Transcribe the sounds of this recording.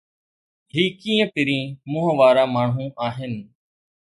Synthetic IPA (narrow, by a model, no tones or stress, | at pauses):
ɦiːkĩːə̃pɪɾĩːmʊ̃ːɦəʋaːɾaːmaːɳɦũːʔaːɦɪn